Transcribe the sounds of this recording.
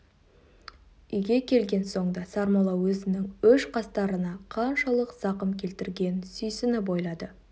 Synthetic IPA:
ʏjɡʲe̞kʲʰe̞lɡʲe̞nso̞ɴd̪ɑsɑɾmolˠɑwɵzɪnɪŋʏʃqɑst̪ɑɾənɑqʰɑnʃɑlˠəqsɑqəmkʲʰe̞lt̪ɪɾɡʲe̞nsʏjsɪnɪbo̞jlˠɑd̪ə

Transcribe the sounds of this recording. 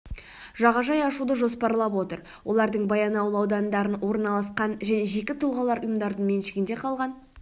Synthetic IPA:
ʒɑʁɑʒɑjɑʃud̪əʒo̞spɑɾlˠɑpwo̞t̪əɾ | wʔo̞̰lˠɑɾd̪əɴbɑjɑnɑwlˠəɑwd̪ɑnd̪ɑɾənwo̞ɾənɑlˠɑsqɑnʒæne̞ʒe̞kʲɪt̪ʰʊlˠʁɑlˠɑɾʊjəmd̪ɑɾd̪əɴme̞nʃɪɡʲɪnd̪e̞qʰɑlˠʁɑn

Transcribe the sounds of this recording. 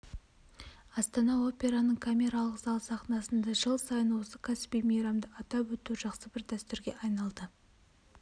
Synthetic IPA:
ɑst̪ɑnɑo̞pʲe̞ɾanəɴkʰamʲe̞ɾalˠəqzɑlˠsɑχnɑsənd̪ɑʒəlˠsɑjənwo̞səkʰasbijmejɾamd̪əʔɑt̪ɑpwɵt̪uʒɑqsəbɪɾd̪æst̪ʏɾɡʲeʔɑjnɑlˠd̪ə

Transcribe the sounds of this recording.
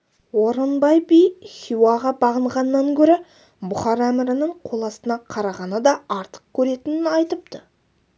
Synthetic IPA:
wo̞ɾənbɑjbijχʲjuwɑʁɑbɑʁəɴʁɑnəːɑŋkʲʰɵɾɪ | bʊχɑɾæmɪɾɪnəɴqʰolˠɑsənɑqʰɑɾɑʁɑnəd̪ɑɑɾt̪ə̥q̚kʲʰɵɾe̞t̪ɪnɪnɑjt̪əp̚t̪ə

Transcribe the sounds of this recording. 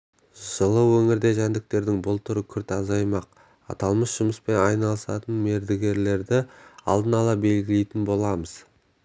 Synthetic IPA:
ʒ̥əlˠəwɵŋɪɾd̪e̞ʒænd̪ɪk̚t̪e̞ɾd̪ɪŋbʊlˠt̪ʰʊɾəkʲʰʏɾt̪ɑzɑjmɑq̚ | ɑ̰t̪ɑlˠməsʒ̥ʊməspe̞nɑjnɑlˠəsɑ̰t̪ənme̞ɾd̪ɪɡʲe̞ɾle̞ɾd̪ɪɑ̰lˠd̪ənɑlˠɑbe̞lɡʲɪlejt̪ɪnbo̞lˠɑməz̥

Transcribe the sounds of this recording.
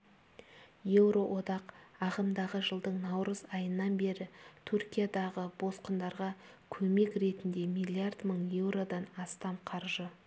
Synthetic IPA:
je̞wɾo̞ʔo̞d̪ɑqɑʁəmd̪ɑʁəʒəlˠd̪əɴnɑwɾəzɑjənːɑnbe̞ɾɪt̪ʰʏɾkʲijad̪ɑʁəbo̞sqənd̪ɑɾʁɑ | kʲʰɵme̞kɾe̞t̪ɪnd̪e̞mijlʲˠiard̪məɴje̞wɾo̞d̪ɑnɑst̪ɑmqʰɑɾʒə

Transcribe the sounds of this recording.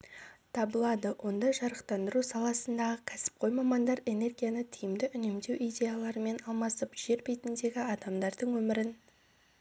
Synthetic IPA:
t̪ʰɑbəlˠɑd̪əwʔo̞nd̪ɑʒɑɾəqt̪ɑnd̪əɾusɑlˠɑsənd̪ɑʁəkʲʰæsɪ̥p̚qʰo̞jmɑmɑnd̪ɑɾe̞ne̞rɡʲijanət̪ʰijɪmd̪ɪʔʏnemd̪e̞wʔijdʲe̞jalˠɑɾəme̞nɑlˠmɑsəpʒ̥e̞ɾbejt̪ɪnd̪e̞ɡʲɪɑd̪ɑmd̪ɑɾd̪əɴwɵmɪɾɪn

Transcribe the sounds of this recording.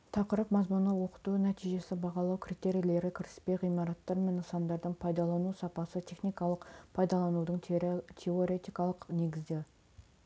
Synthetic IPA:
t̪ʰɑqəɾəpmɑzmʊnəwo̞qə̥t̪unæt̪ijʒe̞sɪbɑʁɑlˠɑwkʲʰrijt̪e̞ɾijle̞ɾɪkʲʰɪɾɪspe̞jʁijmɑɾɑt̪ːɑɾme̞nəsɑnd̪ɑɾd̪əɴpʰɑjd̪ɑlˠɑnusɑpɑsət̪ʰe̞χnijkɑlˠəqpʰɑjd̪ɑlˠɑnud̪əɴt̪ʲʰeoɾe̞t̪ijkɑlˠəqne̞ɡʲɪzd̪e

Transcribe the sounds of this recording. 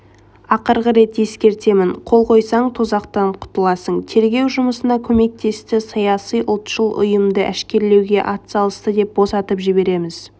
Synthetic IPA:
ɑqəɾʁəɾe̞t̪je̞skʲe̞ɾt̪e̞mɪɴqʰo̞lˠqʰo̞jsɑɴt̪ʰuzɑqt̪ɑɴqʰʊ̥t̪əlˠɑsəɴt̪ʰe̞ɾɡʲe̞wʒʊməsənɑkʲʰɵme̞k̚t̪ʰe̞st̪ɪsɑjɑsijʔʊlˠt̪ʃəlˠʔʊ̰jəmd̪əʔæʃkʲe̞ɾle̞wɡʲe̞ʔɑt̪sɑlˠəst̪əd̪e̞p̚bo̞sɑt̪əpʒɪbe̞ɾe̞mɪz

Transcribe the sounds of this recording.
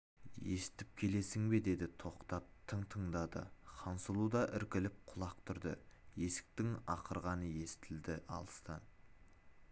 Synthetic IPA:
je̞sɪ̥t̪ɪp̚kʲʰe̞le̞sɪŋbe̞d̪e̞d̪ɪt̪ʰo̞qt̪ɑp̚t̪ʰəɴt̪ʰəɴd̪ɑd̪ə̰qʰɑnsəlˠud̪ɑʔɪɾkʲɪlɪp̚qʰʊlˠɑq̚t̪ʰʊɾd̪ə̰je̞sɪ̥k̚t̪ɪŋɑqʰəɾʁɑnəje̞sɪ̥t̪ʰɪld̪ɪɑ̰lˠəst̪ɑn

